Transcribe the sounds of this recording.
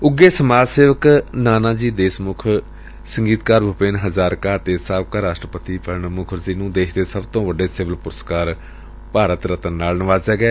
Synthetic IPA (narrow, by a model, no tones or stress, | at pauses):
ʊɡːeːsəmaːseːʋəknaːnaːd͡ʒiːd̪eːsmʊkʰ | səŋɡiːt̪kaːɾbʱʊpeːnɦəzaːɾkaːt̪eːsaːbkaːɾaːʃʈɾəpət̪iːpʰəlnmʊkʰəɾziːnũːd̪eːʃd̪eːsəbt̪õːʋəɖeːsɪʋəlpʊɾəskaːɾ | paːɾət̪ɾət̪ənːaːlnəʋaːzaːɡɛː